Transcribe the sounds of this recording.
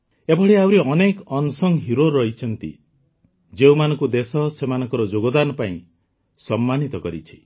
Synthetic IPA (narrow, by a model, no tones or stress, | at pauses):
ebʱɔɽeawɾiɔnekɔnsɔŋɦiɾoɾɔɦit͡ʃʰɔnt̪ḭ | d͡ʒeumanɔŋkud̪esɔsemanɔ̃ŋkɔɾɔd͡ʒoɡɔd̪anɔpaĩ | sɔmːanit̪ɔkɔɾḭt͡ʃʰi̥